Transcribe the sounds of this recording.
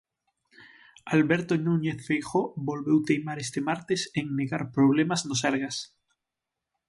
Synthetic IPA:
alβeɾt̪onũɲeθfejxobolβewt̪ejmaɾest̪emaɾt̪eseŋneɣaɾpɾoβ̞lemaznos̬aɾɣas

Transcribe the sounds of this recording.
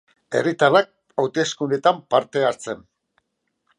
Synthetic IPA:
e̞̰rit̪arak̚ | awt̪e̞skune̞t̪ampaɾt̪e̞aɾt͡se̞n

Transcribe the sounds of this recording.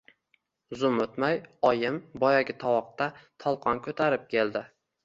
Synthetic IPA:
zʊmɵt̪majɒjɪmbɒjaɡʲɪt̪ʰɒwɒq̚t̪at̪ʰɒlˠqʰɒnkʰɵt̪ʰaɾɪp̚kʲʰe̞lˠd̪ɪ

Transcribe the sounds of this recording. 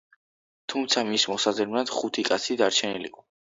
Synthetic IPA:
t̪ʰumt̪sʰamismɔsazɛmnad̪χut̪ʰikʼat̪sʰid̪aɾt͡ʃʰɛnilḭqʼɔ

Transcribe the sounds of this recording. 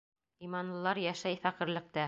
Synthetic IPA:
imɑnlˠɤ̆lˠɑɾjæʃæjfæqɘ̆ɾlɘ̆k̚t̪æ

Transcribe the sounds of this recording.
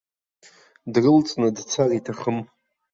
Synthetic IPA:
drɨlt͡sʼnɨdt͡sʰaritʰaχəm

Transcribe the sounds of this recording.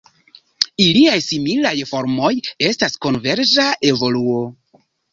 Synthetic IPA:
iliajsimilajfo̞ɾmo̞je̞stasko̞nve̞ɾzaʔevo̞luo̞

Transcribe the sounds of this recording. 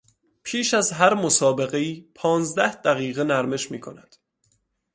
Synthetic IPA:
pʰiːʃæzɦæɾmosɒːbe̞ɣe̞iːpʰɒːnzd̪æhd̪æɣiːɣenæɾme̞ʃmiːkʰonæd̪̥

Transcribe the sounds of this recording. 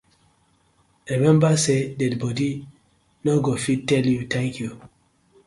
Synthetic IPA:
imɛ̃mbasedɛdbɔdi | noɡofitːɛljutʰɛ̃ŋkʰju

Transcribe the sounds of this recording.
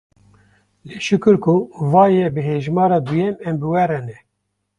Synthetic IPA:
leːʃʊkɨɾkʰuvɑːjɛbɨɦeːʒmɑːɾɑːd̪ujɛmɛmbɨwɛɾɛnɛ

